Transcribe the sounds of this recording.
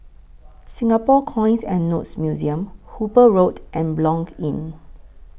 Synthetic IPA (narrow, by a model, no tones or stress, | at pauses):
sĩŋapɔkʰɔ̃j̃nsɛ̰̃nːotsmjuziə̃mhupəɹotʔɛ̃nblɔ̃ŋɡĩn